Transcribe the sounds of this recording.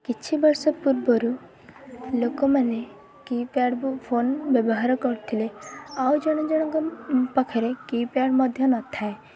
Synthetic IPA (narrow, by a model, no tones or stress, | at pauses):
kit͡ʃʰibɔɾsɔpuɾbɔɾu | lokɔmane | kipaɽbpʰonbjɔbɔɦaɾɔkɔɾt̪ʰileawd͡ʒɔɽ̃ɔ̃d͡ʒɔɽ̃ɔ̃ŋkɔpɔkʰeɾekipaɽmɔd̪ʱjɔnɔt̪ʰae